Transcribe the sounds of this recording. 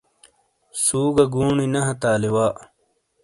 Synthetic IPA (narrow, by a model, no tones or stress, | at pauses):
suːɡɐɡuːɳinɐɦɐt̪aːliwaːʔ